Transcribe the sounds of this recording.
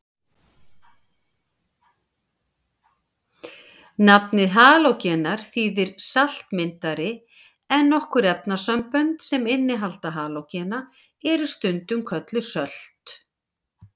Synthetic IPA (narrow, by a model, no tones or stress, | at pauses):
napnɪðɦaːlowcɛnaɾ̥θiːðɪɾ̥sal̥t̪mɪnt̪aɾɪ | ɛnːɔhkʏɾɛp̚nasœmpœnt̪sɛmɪnːɪɦalt̪aɦaːlowcɛna | ɛɾʏst̪ʏnt̪ʏmkʰœt̪lʏsœl̥t̪